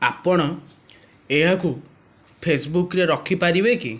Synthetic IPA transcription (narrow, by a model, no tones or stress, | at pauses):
apɔɽ̃ɔ | eɦaku | pʰesbukɾeɾɔkʰipaɾibekḭ